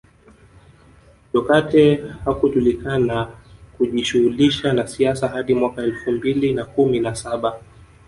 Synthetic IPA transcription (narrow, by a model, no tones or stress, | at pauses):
ʄɔkatɛhakuʄulikanakuʄiʃuhuliʃanasiasaɦaɗimwakaɛlfumbilinakuminasaɓa